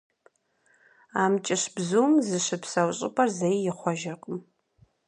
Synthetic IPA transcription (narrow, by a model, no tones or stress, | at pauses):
aːmt͡ʃʼɪɕbzuwmzɨɕɨpsɐwɕʼɪ̰pʼɐrzejːɪχʷɔʒɪrqʼəm